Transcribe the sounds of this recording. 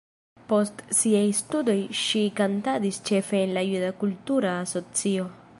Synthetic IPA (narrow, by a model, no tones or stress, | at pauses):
po̞stsiajstudo̞jʃikantadist͡ʃe̞fe̞ːnlajudakultuɾaːso̞t͡sio̞